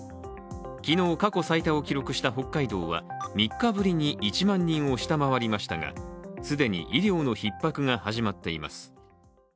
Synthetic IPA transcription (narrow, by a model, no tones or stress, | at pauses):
kʲino̞ːkako̞sait̪ao̞kʲiɾo̞kɯ̟ɕi̥t̪aɦo̞kːaid̪oːβa̰mʲikːabɯ̟ɾʲiɲ̟iʔit͡ɕimãɲ̟ːĩɰ̃o̞ɕi̥t̪amaβaɾʲimaɕi̥t̪aŋa̰sɨd̪e̞ɲ̟ḭʔiɾʲjo̞ːno̞çipːakɯ̟ŋahaʑimat̪ːe̞ima̰sɨ̥